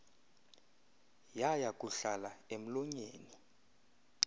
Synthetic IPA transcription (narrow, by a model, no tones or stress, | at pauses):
jajakʼuɬalaem̩lɔɲeːni